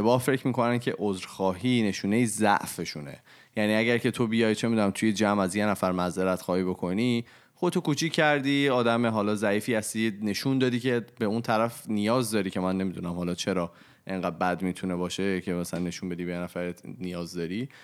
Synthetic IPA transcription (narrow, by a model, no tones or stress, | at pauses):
ebɒːhfe̞cʰmiːkʰo̞næncʰe̞̰ʔozɾxɒːɦiːne̞ʃuːne̞jizæ̰ʔfe̞ʃunḛ | jæniːæɟæɾcʰe̞t̪ʰo̞bijɒːjt͡ʃʰe̞mid̪unæmt̪ʰujed͡ʒæmæzje̞næfæɾmæzeɾæt̪xɒːhiːbokʰo̞ni | xot̪ʰokut͡ʃʰicʰcːæɾd̪iːɒːd̪æmeɦɒːlɒːzæiːfiːhæst̪ine̞ʃund̪ɒːd̪iːcʰe̞beunt̪ʰæɾæfnijɒːzd̪ɒːɾiːcʰe̞mænːe̞mid̪unæmhɒːlɒːt͡ʃʰe̞ɾɒː | ʔe̞ŋɢæd̪̚bæd̪miːt̪ʰunebɒːʃe̞cʰe̞mæsælænːe̞ʃunbe̞d̪iːbejenæfæɾet̪nijɒːzd̪ɒːɾi